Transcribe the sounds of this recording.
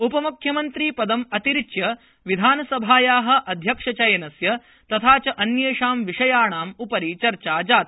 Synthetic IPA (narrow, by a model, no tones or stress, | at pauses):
upɐmukʰjɐmɐnt̪ɾiːpɐd̪ɐmɐt̪iɾit͡ʃjɐ | ʋid̪ʱaːnɐsɐbʱaːjaːɦɐ̆ʔɐd̪ʱjɐkʂɐt͡ʃɐjɐnɐsjɐ | t̪ɐt̪ʰaːt͡ʃɐʔɐnjeːʂaːmʋiʂɐjaːɳaːmupɐɾiːt͡ʃɐɾt͡ʃaːd͡ʒaːt̪̚